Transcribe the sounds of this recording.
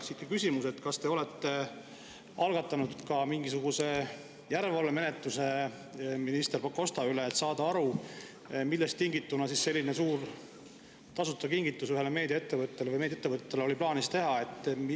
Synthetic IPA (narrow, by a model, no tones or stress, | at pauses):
sit̪kekysʲimuse̞t̪kɑst̪e̞o̞let̪ːe̞ | ɑlɡ̥ɑt̪ːˑɑnud̪̥kɑmiŋɡisuɡ̥use̞ | jæɾvɑlːeme̞net̪ːˑuse̞ | minist̪e̞rpɑkːo̞st̪ɑyleːt̪sɑːd̪̥ɑɑɾu | milːest̪ːiŋɡ̥it̪ːunɑsisːe̞lʲːinesuːr | t̪ɑsut̪ːˑɑkiŋɡ̥it̪ːˑusyɦeleme̞ːd̪jɑe̞t̪ːe̞vɤt̪ːˑe̞levɤjmed̪ʲjet̪ːevɤt̪ːˑet̪ːˑeleo̞liplɑːnist̪e̞ɦɑe̞t̪ːˑm